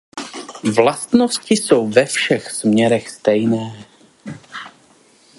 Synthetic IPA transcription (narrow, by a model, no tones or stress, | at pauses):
vlast̪no̞scɪso̞wvɛfʃɛxsmɲɛɾɛxst̪ɛjnɛː